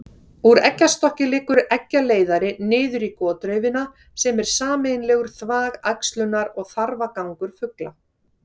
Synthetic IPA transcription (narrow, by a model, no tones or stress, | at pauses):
uɾɛcːast̪ɔhcɪlɪːkːʏɾɛcːaleːjðaɾɪnɪːðʏɾikɔːt̪ɾœːɥvɪna | sɛmɛɾ̥saːmejnlɛːɣʏɾ̥θvaːɣajkst̪lʏnːaɾɔɣθaɾvakawŋkʏɾ̥fʏkla